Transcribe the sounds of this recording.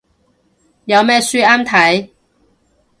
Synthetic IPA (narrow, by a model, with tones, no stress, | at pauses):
jɐ˨˧wmɛː˥syː˥aː˥mt̪ʰɐ˨˥j